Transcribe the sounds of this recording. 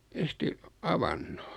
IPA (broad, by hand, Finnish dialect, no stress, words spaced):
en̞sti ɑʋɑnːo̥